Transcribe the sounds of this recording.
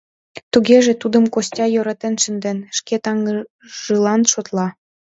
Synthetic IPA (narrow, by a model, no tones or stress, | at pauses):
t̪uɣeʒĕt̪ud̪ə̆mkosʲtʲɑjoɾɑt̪ĕnʃənd̪ĕnʃket̪ɑŋ | ʒɯlɑnʃot̪lɑ